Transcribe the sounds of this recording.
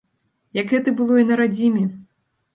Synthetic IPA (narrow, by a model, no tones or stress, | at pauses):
jɐɡɣɛt̪ɨbɨlˠɔinɐɾad͡zʲimʲɛ